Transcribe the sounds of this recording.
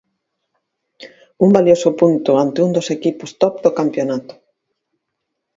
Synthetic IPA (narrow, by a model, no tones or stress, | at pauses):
umbaljosʊpunt̪ʊant̪ɪund̪osekipʊst̪ɔpd̪okampjonat̪ʊ̥